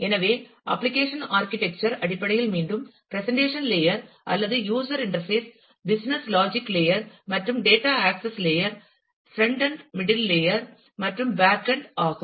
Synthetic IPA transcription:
ɛnɐʋeː | ʔɐ̰pːlɪkeːʂɐnaːɾkɪʈɛk̚t͡ʃɐɾɐɽɪpːɐɽɐjɪlmiːɳɖɯmpɾɛsɐɳʈeːʂɐnleːjɐɾ | ʔɐ̰lːɐðɯjuːsɐɾɪɳɐɾfeːs | bɪsnɐslaːd͡ʒɪkːleːjɐɾmɐʈrɯmɖeːʈaːaːksɐsleːjɐɾ | sɾɛɳɖɐnmɪɽɪlːeːjɐɾ | mɐʈrɯmbaːkːɐɳɖaːɣɯm

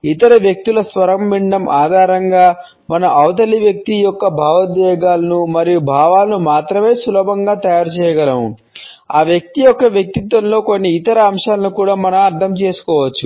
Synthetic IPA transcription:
it̪ɐɾɐʋjɐk̚t̪ilɐsʋɐɾɐmːiɳɖɐmʔaːd̪ʱaːɾɐŋɡaː | mɐnɐʔɐwt̪̬ɐliʋjɐk̚t̪ijɔkːɐbʱaːʋɐd̪ʋɛːɡaːlɐnumɐɾijubʱaːʋaːlɐnumaːt̪ɾɐme̞ːsulɔːbʱɐŋɡaːt̪ɐjaːɾut͡ʃɛːjɐɡɐlɐmu | aːʋjɐk̚t̪ijɔkːɐʋjɐk̚t̪it̪ʋɐnlo̞ːko̞nːiːt̪ɐɾɐːmʂaːlɐnukuːɽaːmɐnɐmɐɾt̪ʰɐmt͡ʃe̞ːsu̥kɔːʋɐt͡ʃːu

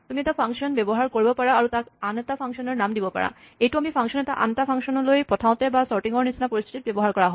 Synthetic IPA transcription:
tumiɛtapʰaŋsɔnbɛbɔɦaɹkoɹibɔpaɹaːɹutakantapʰaŋsiɔnɔɹnamdibɔpa̰ɹa̰ | ejtuamipʰaŋsiɔnɛtaʔa̰ntapʰaŋsɔnɔlojpɹɔtʰaʊ̃tɛbasɔɹʈiŋɔɹnisinapoɹist̪ʰi̥tit̚bɛbɔɦaɹkɔɹaɦɔ

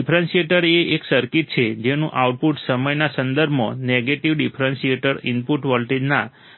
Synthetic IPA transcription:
ipʰɾənsieʈəɾeʔeksəɾkit̪̚t͡ʃʰed͡ʒenũʔauʈ̚puʈsəməjnasə̃nd̪əɾbʱmo̰neɡeʈiʋɖipʰɾənseʈəɾinpuʈʋəlʈed͡ʒna

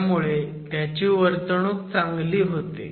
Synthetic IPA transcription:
muɭet̪jat͡ɕiːʋəɾt̪ɳ̃ũːk̚t͡sãŋɡliːɦot̪ḛ

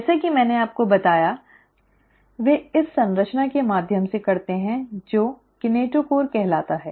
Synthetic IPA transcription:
ɛːsekimɛ̃ːneaːp̚kobɐt̪aːja | ʋeːɪsːɐ̃nɾəʃnakemaːd̪ʱjəmsekɐɾt̪eɦɛ̃d͡ʒoː | kɪneːʈokoːɾkɛɦlaːt̪aɦɛː

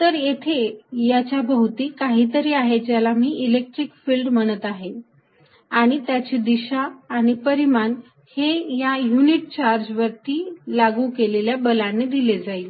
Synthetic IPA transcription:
t̪əɾjet̪ʰejat͡ɕjabʱəɦut̪iːkaɦiːt̪əɾiːaɦed͡ʑjalamiːʔilek̚ʈɾikfiːlɖm̤əɽ̃ət̪aɦe | aɽ̃it̪jat͡ɕiːd̪iɕaːɽ̃ipəɾiman | hejajuniʈ̚t͡ɕaɾd͡ʑʋəɾt̪iːlaɡukeleljabəlanːed̪iled͡zai

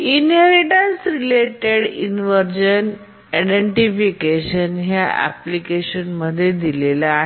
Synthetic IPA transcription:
inɦeɾiʈənsɾileʈeɽinʋəɾd͡ʑən | iɖeɳʈifikeɕənɦjaʔæ̰plikeɕənməd̪ʱːjed̪ilela

